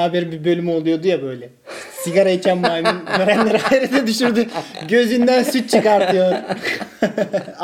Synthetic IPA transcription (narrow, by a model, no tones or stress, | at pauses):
abɛɾbibø̞lʲymo̞lˠujo̞d̪ujabø̞jlʲɛ | siɡaɾaicʰænmaːminøɾænlʲeɾiaɾid̪ɛd̪yʃyɾd̪yɟø̞zynd̪ænsyt͡ʃ̚t͡ʃʰɯkaɾt̪ɯjo